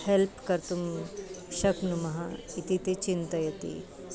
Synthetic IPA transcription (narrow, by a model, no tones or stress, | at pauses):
helpkɐɾt̪umʃɐknumɐɦait̪it̪et͡ʃint̪ɐjɐt̪ḭ